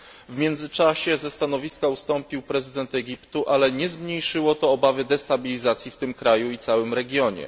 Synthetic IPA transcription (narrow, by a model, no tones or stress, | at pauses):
vmʲjɛnd̪zɘt͡ʂaɕɛzɛst̪anɔvʲiskaust̪ɔmpʲiwpɾɛzɘd̪ɛnt̪ɛɡʲipt̪uʔalɛɲɛzmɲejʂɘwɔt̪ɔːbavɘd̪ɛst̪abʲilʲizat̪sʲjift̪ɘmkɾajuit̪sawɘmɾɛɡʲjɔɲɛ̰